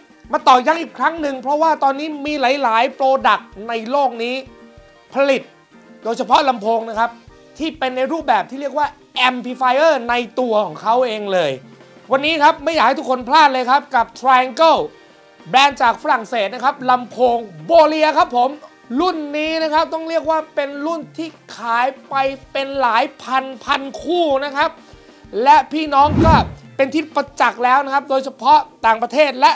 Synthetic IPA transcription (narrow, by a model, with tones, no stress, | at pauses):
ma˧t̪ɔː˨˩ja˦˥˩ŋʔi˨˩kʰɾa˦˥ŋnɯ˨˩ŋpʰɾɔ˦˥waː˥˩t̪ɔː˧nːiː˦˥miː˧la˨˩˦jlaː˨˩˦jpɾoː˧da˨˩k̚na˧jloː˥˩k̚niː˦˥ | pʰa˧li˨˩t̪̚ | doː˧jt͡ɕʰa˧pʰɔ˦˥la˧mpʰoː˧ŋna˦˥kʰa˦˥p̚ | t̪ʰiː˥˩pe˧nːa˧jɾuː˥˩p̚bɛː˨˩p̚t̪ʰiː˥˩ɾi˥˩ək̚waː˥˩ | ʔɛ˧mpʰiː˧fa˧jʔɤː˥˩na˧jt̪u˧ɐkʰɔː˩˦ŋkʰa˦˥wʔeː˧ŋlɤː˧j | wa˧nːiː˦˥kʰa˦˥p̚ma˥˩jaː˨˩kha˥˩t̪ʰkʰːo˧npʰlaː˥˩t̪̚lɤː˧jkʰa˦˥p̚ka˨˩p̚t̪ʰɾaː˧ja˧ŋkɤ˥˩w | bɛː˦˥nt͡ɕaː˨˩k̚fa˧ɾa˨˩ŋseː˨˩t̪̚na˥kʰa˦˥p̚la˧mpʰoː˧ŋboː˧li˧ɐkʰa˦˥pʰːo˩˦m | lu˥˩nːiː˦˥na˦˥kʰa˦˥p̚t̪ɔ˥˩ŋɾi˥˩ək̚waː˥˩pe˧nlu˥˩nt̪ʰiː˥˩kʰaː˩˦jpa˧jpe˧nlaː˩˦jpʰa˧npʰa˧nkʰuː˥˩na˦˥kʰa˦˥p̚ | lɛ˦˥ʔpʰiː˥˩nɔː˦˥ŋkɔː˥˩pe˧nt̪ʰi˦˥˩t̪̚pa˧t͡ɕa˨˩k̚lɛː˦˥wna˦˥kʰa˦˥p̚doː˧jt͡ɕʰa˧pʰɔ˦˥t̪aː˨˩ŋpɾa˧t̪ʰeː˥˩t̪̚lɛ˦˥ʔ